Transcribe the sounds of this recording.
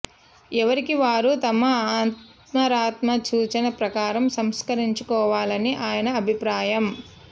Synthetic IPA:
ɛʋɐɾikiʋaːɾut̪ɐmɐaːt̪ | mɐɾaːt̪mɐt͡ʃuːt͡ʃɐnɐpɾɐkaːɾɐmsɐmskɐɾiɲt͡ʃukɔːʋaːlɐniʔaːjɐnɐːbʱipɾaːjɐm

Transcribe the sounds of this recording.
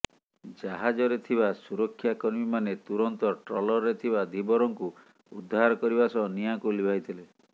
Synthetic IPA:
d͡ʒaɦad͡ʒɔɾet̪ʰibasuɾɔkʰːjakɔɾmimanet̪uɾɔnt̪ɔʈɾɔlɔɾːet̪ʰibad̪ʱibɔɾɔŋku | ud̪ʱːaɾɔkɔɾibasɔnijakolibʱajt̪ʰile

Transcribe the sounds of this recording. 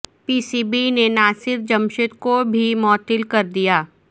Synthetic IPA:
piːsiːbinenaːsɪɾd͡ʒɐmʃɪt̪kobʱimɔːt̪ɪlkɐɾd̪ijaː

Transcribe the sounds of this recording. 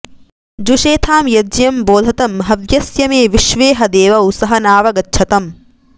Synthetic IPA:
d͡ʒuʃeːt̪ʰaːmjɐd͡ʒjɐmboːd̪ʱɐt̪ɐmɦɐʋjɐsjɐmeːʋiʃʋeːɦɐd̪eːʋɐusɐɦɐnaːʋɐɡɐtːʃʰɐt̪ɐm

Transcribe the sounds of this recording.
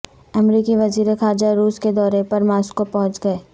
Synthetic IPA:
ɐmɾiːkiʋɐziːɾexaːɾd͡ʒaɾuːsked̪ɔːɾepɐɾmaːskopɔɦʊ̃t͡ʃɡɐeː

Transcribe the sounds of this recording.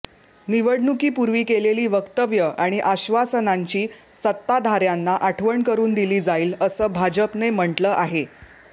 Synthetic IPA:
niʋəɽnukiːpuɾʋiːkeleliːʋəkt̪əʋjəʔaɽ̃iʔaɕʋasənaɲt͡ɕiːsət̪ːad̪ʱaɾjanːaʔaʈʰʋəɳkəɾuːnd̪iliːd͡zaiːləsəːbʱad͡ʑəpnem̤əɳʈləːʔaɦe

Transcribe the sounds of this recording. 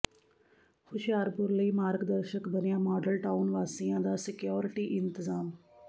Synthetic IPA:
xʊʃjaːɾpʊɾləiːmaːɾɡd̪əɾʃəkbənjamɔːɖəlʈaʊnʋaːsĩjãd̪asɪkjɔːɾɪʈiːʔɪnt̪ɪzaːm

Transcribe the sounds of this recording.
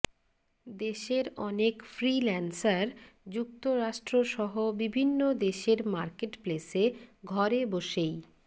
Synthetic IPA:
d̪eʃeɾɔnekfɾilɛnsaɾd͡ʑuk̚t̪oɾaʃʈɾoʃɔɦobibʱinːod̪eʃeɾmaɾkeʈpleseɡʱɔɾeboʃej

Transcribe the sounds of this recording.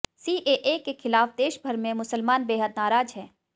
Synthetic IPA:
siːʔeʔeːkexʰɪlaːfd̪eːʃbʱɐɾmẽmʊsəlmaːnbeːɦəd̪naːɾaːd͡ʒɦɛː

